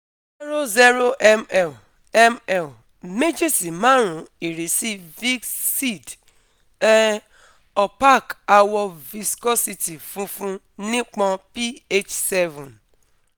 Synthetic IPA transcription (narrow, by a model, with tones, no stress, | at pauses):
zɛ˦ɾo˦zɛ˦ɾo˦ʔɛ˦mɛ˦˨l | ɛ˦mɛ˦˨l | me˦d͡ʒe˦si˨mã˨˦ɾ̃ũ˨˦i˨ɾe˨˦si˦vi˦si˦˨d | ɛ˦ | ɔ˨pa˦˨ka˧wɔ˧vi˧skɔ˦si˧ti˨fũ˨˦fũ˦ | nĩ˦k͡pɔ̃˧pi˦e˦t͡ʃsɛ˦vũ˨n